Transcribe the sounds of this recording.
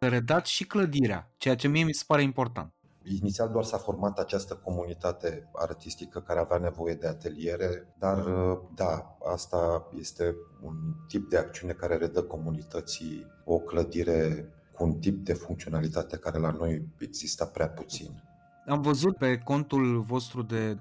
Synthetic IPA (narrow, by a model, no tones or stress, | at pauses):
əɾed̪at̪ʃikləd̪iɾea̰t͡ʃe̞jat͡ʃe̞miemise̥paɾe̞impo̞rt̪a̰nt̪ | init̪siald̪oarsafo̞rmat̪at͡ʃast̪əko̞munit̪at̪e̞a̰rt̪ist̪ikəkaɾeaveane̞vo̞je̞d̪e̞at̪e̞lie̞ɾe̞d̪ard̪aa̰st̪aje̞st̪e̞ṵnt̪ip̚d̪e̞ak̚t̪siune̞kaɾe̞ɾe̞d̪əko̞munit̪ət̪si | o̞kləd̪iɾe̞ | kuːnt̪ip̚d̪e̞fuŋkt̪sio̞nalit̪at̪e̞kaɾe̞lano̞je̞ɡz̥ist̪apɾeaput̪sḭn | amvəzut̪̚pe̞ko̞nt̪ulvo̞st̪ɾud̪e̞